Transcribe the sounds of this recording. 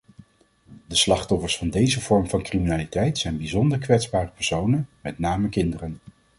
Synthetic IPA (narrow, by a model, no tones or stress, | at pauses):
dəslɑχtɔfəɹsfɑndejzəvɔɹmvɑnkriminaːlitɛjtsɛjnbizɔndəɹkʋɛtzbaːrəpɛɹsownənmɛtnaːməkɪndərən